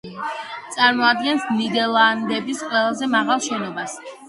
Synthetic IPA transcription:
t̪sʼaɾmɔad̪ɡɛnsnid̪ɛlˠand̪ɛbisqʼwɛlˠazɛmaʁalˠʃɛnɔbas

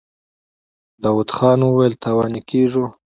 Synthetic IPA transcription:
d̪ɑwud̪xɑːnwəwajlt̪awɑːnikeʐu

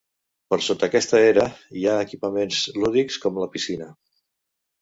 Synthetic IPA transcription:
pəɾsot̪əkɛst̪əeɾəiaəkipəmenzluðikskɔmləpisinə

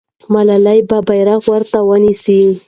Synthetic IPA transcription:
malalajbabajɾaɣwəɾt̪awənisi

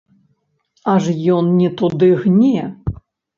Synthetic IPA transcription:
aʐjɔnnʲɛt̪ud̪ɨɣnʲɛ

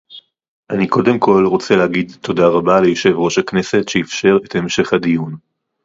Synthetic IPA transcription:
ʔaniko̞de̞mko̞lʁo̞t͡seleaɡid̪tʰo̞daʁabalejoʃe̞vʁo̞ʃakne̞se̞tʃeifʃe̞ʁethemʃeχadijun

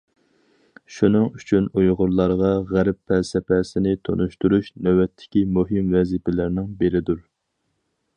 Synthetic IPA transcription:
ʃunɨŋyt͡ʃʰynujʁʊɾlˠɑɾʁɑʁæɾpːʰɛsɛpʰɛsɪnɪt̪ʰo̰nuʃt̪uɾuʃnɛwɛt̪ʰːɪ̥kʲimuɦɪmvɛzipɪlɪɾnɪŋbeɾɪd̪uɾ

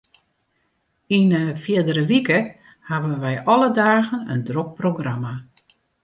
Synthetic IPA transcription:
inəfjɪdəɾəʋikə | habənʋɛjʔɔlədaːɣənəndrok̚proɡrama

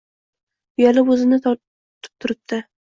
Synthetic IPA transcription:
jalɪbɵzɪnɪt̪ʰ | t̪ʰɪ̥p̚t̪ʰʊɾɪp̚d̪ɪ

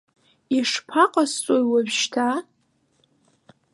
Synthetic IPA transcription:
iʂpʰaqʼast͡sʼojwabʃtʰa

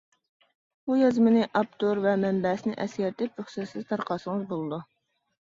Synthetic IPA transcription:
bujɑzmɨnɪʔɑp̚t̪ʰoɾvɛmɛmbɛsnɪʔɛskʲɛɾt̪ʰɪpɾøχsɛsɪzt̪ʰɑɾqɑːsəŋəzbolˠɨd̪u

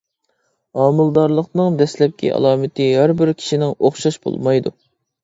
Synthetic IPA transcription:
ɑːmɨlˠd̪ɑɾlˠəqnɨŋd̪ɛslɛp̚kʲʰɛ̰ʔɑ̰lˠɑːmɪt̪ʰɨhæɾbɪɾkʲʰi̥ʃinɪŋoχʃɑʃbo̰lˠmɑjd̪ṵ

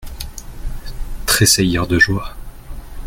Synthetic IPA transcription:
t̪χesɛjəʁd̪əʒwa

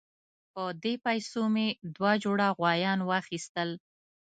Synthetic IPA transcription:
pəd̪epajsomed̪wɑd͡ʒoɽaɣwɑjɑnwɑxist̪əl

